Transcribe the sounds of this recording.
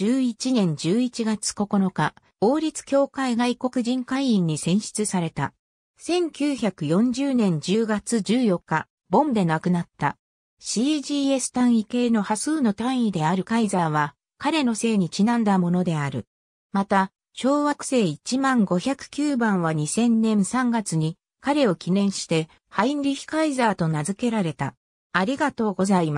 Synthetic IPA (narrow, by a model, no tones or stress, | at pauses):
ɨːit͡ɕinẽ̞ɲ̟d͡ʑɨːit͡ɕiɡat͡sɨ̥ko̞ko̞no̞ka | o̞ːɾʲit͡sɨ̥kʲo̞ːkaiɡaiko̞kɯ̟ʑĩŋkaiĩɲ̟ːisẽ̞ɰ̃ɕi̥t͡sɨsaɾe̞t̪a̰ | sẽ̞ŋkʲɨːçakɯ̟jõ̞ɲ̟d͡ʑɨːnẽ̞ɲ̟d͡ʑɨːɡat͡sɨd͡ʑɨːjo̞kːa | bõ̞nd̪e̞nakɯ̟nat̪ːa̰ | ɕiʑiːe̞sɨ̥t̪ãɰ̃ike̞ːno̞hasɨːno̞t̪ãɰ̃id̪e̞aɾɯ̟kaizaβ̞a | kaɾe̞no̞se̞ːɲ̟it͡ɕinãnd̪amo̞no̞d̪e̞aɾɯ̟ | mat̪a | ɕo̞ːβakɯ̟̥se̞ːit͡ɕimãŋɡo̞çakɯ̟̥kʲɨːbãɰ̃βaɲ̟isẽ̞nːẽ̞ɰ̃sãŋɡat͡sɨɲ̟i | kaɾe̞o̞kʲinẽ̞ɰ̃ɕi̥t̪e̞ | hainɾʲiçʲi̥kaizaːt̪o̞nazɨke̞ɾaɾe̞t̪aː | ɾʲiɡat̪o̞ːɡo̞zaima